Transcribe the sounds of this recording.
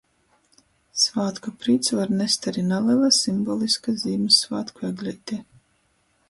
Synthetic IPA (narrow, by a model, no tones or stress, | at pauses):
svaːt̪kɔpɾiːt̪svaɾnɛst̪aɾinalˠɛvasimbɔːlˠiskazʲiːmɨsvaːt̪kuɛɡlʲijt̪ʲi